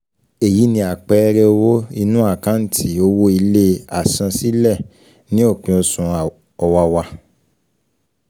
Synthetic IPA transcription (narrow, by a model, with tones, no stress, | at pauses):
e˨ji˨˦nĩ˧a˨k͡pɛ˨˦ɾɛ˦o˧wo˦i˧nũ˦a˦˨kã˦n̩˦˨tʰi˨˦o˧wo˦i˧le˦a˨sã˧si˦lɛ˦˨ | nĩ˦o˦˨k͡pĩ˨o˧sũ˨ | ɔ˧wa˧wa˧